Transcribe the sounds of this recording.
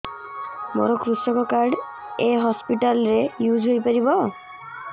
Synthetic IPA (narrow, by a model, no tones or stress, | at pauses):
mo̰ɾɔkɾusɔkɔkaɾɖ | eɦɔspiʈalɾejud͡ʒɦojpaɾibɔ